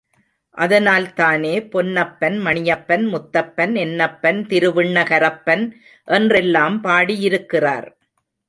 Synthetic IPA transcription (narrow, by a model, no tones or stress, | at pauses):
ʔɐðɐnaːlt̪aːneːpɔnːɐpːɐnmɐɳɪjɐpːɐnmʊt̪ːɐpːɐnɛnːɐpːɐnt̪ɪɾɯʋɪɳːɐɣɐɾɐpːɐn | ʔɛndrɛlːaːmpaːɽijɪɾɯkːɪra̰ːɾ